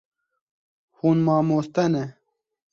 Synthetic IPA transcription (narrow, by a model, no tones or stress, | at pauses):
hunmɑːmoːst̪ɐne